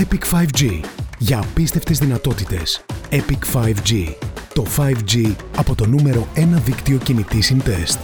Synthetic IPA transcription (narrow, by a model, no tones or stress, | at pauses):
epikfɐjvd͡ʒiʝɐːpist̪e̞ft̪e̞zðinɐt̪o̞t̪it̪e̞sepikfɐjvd͡ʑit̪o̞fɐjvd͡ʑiɐpo̞t̪o̞nume̞ɾo̞e̞nɐðikt̪io̞cinit̪isint̪e̞st̪